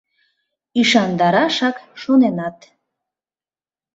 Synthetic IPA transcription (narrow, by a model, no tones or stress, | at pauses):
iʃɑnd̪ɑɾɑʃɑkʃonenɑt̪